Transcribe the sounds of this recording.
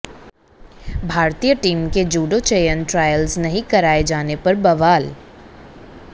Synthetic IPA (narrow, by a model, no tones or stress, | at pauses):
bʱaːɾt̪ijəʈiːmked͡ʒuːɖot͡ʃeːjənʈɾaːjəlznɐɦĩkɐɾaːed͡ʒaːnepɐɾbɐʋaːl